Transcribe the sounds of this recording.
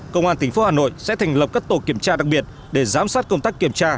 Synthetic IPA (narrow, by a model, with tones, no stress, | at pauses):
kə˧wŋ͡mʔaː˧nt̪ʰï˨˩ŋ̟fo˨˦haː˨˩no̰˧˨jsɛ̰˧˥t̪ʰa˨˩jŋ̟lə˨˩p̚ka˦˥k̚t̪o˧˩ki˧˩əmt͡ɕaː˧ɗa˨˩k̚ɓi˨˩ət̚ | ɗe˧˩zaː˨˦msaː˦˥t̚kə˧wŋ͡mt̪aː˦˥kːi˧˩əmt͡ɕaː˧